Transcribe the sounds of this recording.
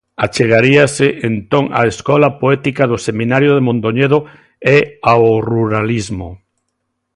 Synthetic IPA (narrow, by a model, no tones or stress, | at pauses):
at͡ʃeɣ̞aɾiasɪʔent̪oŋa̰eskɔlapoɛt̪ikaðʊsemĩnaɾjoð̞emõnt̪oɲeðo | eaoruɾalizmo